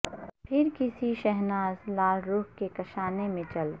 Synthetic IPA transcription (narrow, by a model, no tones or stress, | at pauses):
pʰɪɾkɪsiʃɛɦnaːzlaːlɾuːɦkekɐʃaːnemẽt͡ʃɐl